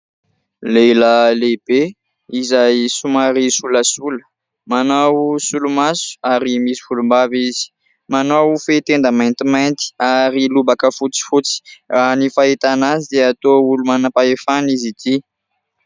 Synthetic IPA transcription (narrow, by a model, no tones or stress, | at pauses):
lelalebe | izajsumaɾisuləsulə̥ | manawsulumasu̥aɾimisi̥fulumbavizi̥ | manawfet̪end̪əmajnt̪imajnt̪i̥aɾilubakəfut͡si̥fut͡si̥ranifaɦit̪anazid̪eat̪oulumanapaefanizit̪i